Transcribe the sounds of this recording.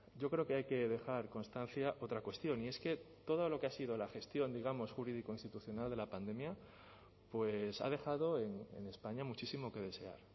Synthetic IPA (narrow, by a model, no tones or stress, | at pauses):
ɟ͡ʝo̞kɾe̞o̞ke̞ajke̞ðe̞xaɾko̞nst̪an̟θjaʔo̞t̪ɾakwe̞st̪jo̞nie̞ske̞t̪o̞ð̞o̞lo̞ke̞asið̞o̞laxe̞st̪jo̞nd̪iɣ̞amo̞sxuɾið̞iko̞inst̪it̪uθjo̞nald̪e̞lapand̪e̞mja | pwe̞sa̰ðe̞xað̞o̞e̞ŋḛne̞spaɲamut͡ʃisimo̞ke̞ð̞e̞se̞a̰ɾ